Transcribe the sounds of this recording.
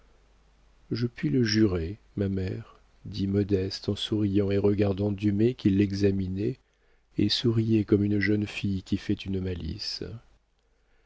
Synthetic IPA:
ʒəpɥiləʒyʁe | mamɛʁ | d̪imɔd̪ɛst̪ɑ̃suʁijɑ̃eʁəɡaʁd̪ɑ̃d̪ymekʲilːɛɡzaminɛ | ḛsuʁijɛkɔmynʒənfijkʲifɛt̪ynmalḭs

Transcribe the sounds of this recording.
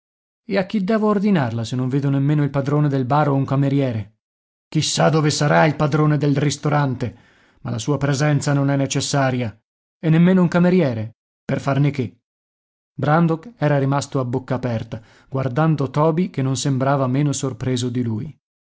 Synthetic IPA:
eakːid̪ːɛːvoːrd̪inarlasenːõɱveːd̪onemːeːnoilpad̪ɾoːned̪elbaːɾouŋkameɾjɛːɾe | k̟isːad̪oːvesaɾailpad̪ɾoːned̪elrist̪oɾant̪e | malasuːapɾezɛnt̪sanonɛnːet͡ʃesːaːɾja | enːemːeːnouŋkameɾjɛːɾe | perfarneke | bɾand̪okɛːɾaɾimast̪oabːokːaːpɛrt̪a | ɡ̥ward̪and̪ot̪ɔːbikenːonsembɾaːvameːnosorpɾeːzod̪iluːj

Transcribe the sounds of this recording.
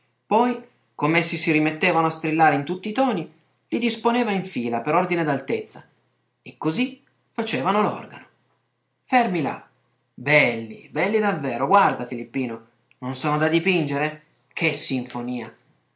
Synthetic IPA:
pɔj | komeesːisiɾimet̪ːeːvanoast̪ɾilːaːɾeint̪ut̪ːiːt̪ɔːni | lid̪isponeːvaiɱfiːlapeɾord̪ined̪alt̪et̪sːa | ekːozi | fat͡ʃeːvanolɔ̰rɡa̰no | fɛrmila̰ | bɛlːḭbɛlːid̪avːɛːɾoɡward̪afilipːiːno | nonsoːnod̪ad̪ipind͡ʒeɾe | kʰesːiɱfoniːa

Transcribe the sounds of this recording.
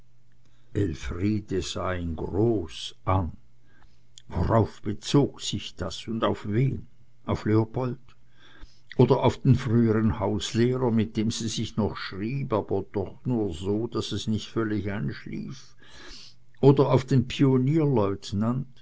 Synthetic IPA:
ʔɛlfʁiːdəz̥aːɪnɡʁoːsʔan | vo̰ʁaʊfb̥ət͡soːksɪçd̥asʊndaʊfveːn | ʔaʊfleopʰɔlt | ʔoːdɐaʊfd̥eːnfʁyːəʁənhaʊsleːʁɐmɪt̚d̥eːmz̥iːzɪçnɔχʃʁiːbaːb̥ɐd̥ɔχnuːɐzoːd̥asɛsnɪçtfœlɪçaɪnʃlḭːf | ʔoːdɐaʊfd̥eːnpʰioniːɐlɔʏtnant

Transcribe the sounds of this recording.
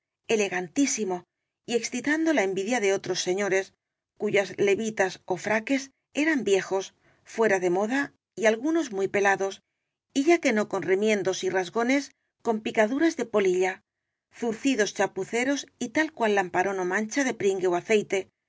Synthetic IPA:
e̞le̞ɣant̪isimo̞ | ie̞ksθit̪and̪o̞laembiðjaðe̞o̞t̪ɾo̞sːe̞ɲo̞ɾe̞s | kuʝazle̞βit̪aso̞fɾake̞s | e̞ɾambje̞xo̞s | fwe̞ɾaðe̞mo̞ða | ialɣuno̞zmujpe̞laðo̞s | iʝake̞no̞ko̞nremjẽ̞nd̪o̞sirazɣo̞ne̞s | ko̞mpikaðuɾazðe̞po̞liʎa | θuɾθiðo̞st͡ʃapuθe̞ɾo̞sit̪alkwalːampaɾo̞no̞mãnt͡ʃaðe̞pɾiŋɡe̞oaθe̞jt̪e̞

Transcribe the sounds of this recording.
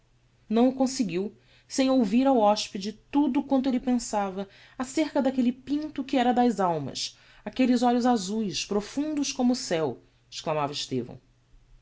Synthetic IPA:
nɐ̃w̃ʊkõsɪɡiw | sẽj̃owviɾawɔspid͡ʒɪt̪ud̪ʊkwɐ̃nt̪ʊelɪpẽsavɐ | aseɾkɐd̪akelɪpĩnt̪ʊkɪɛɾɐd̪ɐzawmɐ̰s | akelɪzɔʎʊzazujspɾofũnd̪ʊʃkõmʊːsɛw | ɪ̥ʃklamavɐɪʃt̪ḛvɐ̰̃w̃

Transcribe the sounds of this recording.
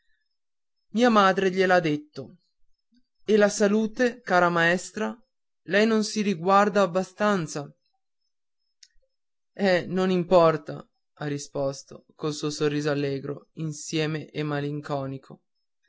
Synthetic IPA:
miːamaːd̪ɾeʎelad̪ːet̪ːo | elasaluːt̪ekaːɾamaɛst̪ɾa | lɛjnonsiɾiɡward̪aːbːast̪ant̪sa | ɛnonimpɔrt̪a̰ | arːispɔst̪okolsuosorːiːzoalːɛːɡɾo̰insjɛːmeʔemːaliŋkɔːnikʰo

